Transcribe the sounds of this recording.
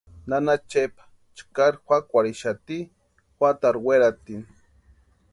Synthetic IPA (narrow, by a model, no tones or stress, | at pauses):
nanat͡ʃepḁ | t͡ʃkaɾxʷakʷaɾiʃat̪i | xʷwat̪aɾweɾat̪in